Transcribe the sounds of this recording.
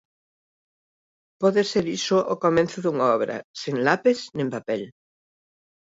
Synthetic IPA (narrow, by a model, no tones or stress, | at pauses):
pɔðeseɾisoʔokomẽnθoðuŋaɔβɾɐ̰sẽŋlapesnĩmpapel